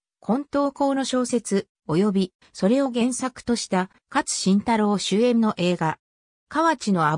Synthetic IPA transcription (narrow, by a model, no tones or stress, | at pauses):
kʰõ̞nt̪o̞ːko̞ːno̞ɕo̞ːse̞t͡sɨ | o̞jo̞bʲi | so̞ɾe̞o̞ɡẽ̞ɰ̃sakɯ̟̥t̪o̞ɕi̥t̪a | kat͡sɨ̥ɕĩnt̪aɾo̞ːɕɨːẽ̞nːo̞ʔe̞ːɡa | kaβat͡ɕino̞a